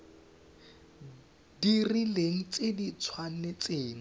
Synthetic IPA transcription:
dirileŋ̩t͡sedit͡sʰwanet͡seːŋ̩

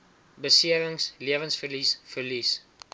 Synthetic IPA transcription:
bəsiəɾəŋsliəvənsfərlisfərlis

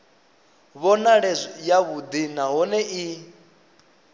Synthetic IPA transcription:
βɔnaɺɛzʷjaβud̪inaɦɔnɛʔi

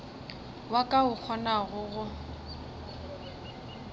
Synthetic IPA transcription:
wakʼaʊk͡xʰɔnaɣʊɣʊ

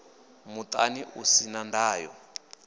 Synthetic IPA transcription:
mut̪ʼa̰niʔusinandaːjɔ

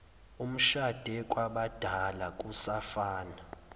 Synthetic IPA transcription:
um̩ʃad̥ʱɛkʼwaɓad̥ʱalakʼusafaːna

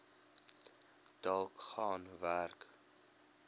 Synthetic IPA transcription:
d̥alˠkχɑːnværk

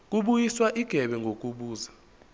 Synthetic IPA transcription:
k̬ʼuɓujiswaʔiɡ̥ʱɛɓɛŋɡʱok̬ʼuɓuːza

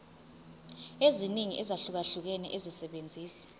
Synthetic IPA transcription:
eziniŋḭʔɛzaɬuk̬aɬuk̬ɛnɛ̰ʔezisɛɓend͡zʱiːsḁ

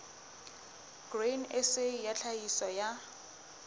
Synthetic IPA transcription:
ɡ̥renesejaɬʰaisɔja

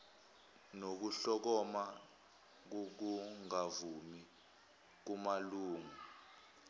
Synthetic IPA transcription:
nok̬uɬɔk̬ɔma | k̬ok̬uŋavumi | k̬umaluːŋu

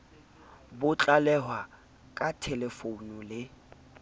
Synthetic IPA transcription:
bʊt͡ɬʼalɛɦwa | kʼatʰɛlɛfonulɪ

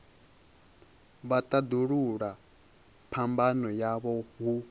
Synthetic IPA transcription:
βat̪ʼad̪uɺuɺa | pʰambanɔjaβɔɦu

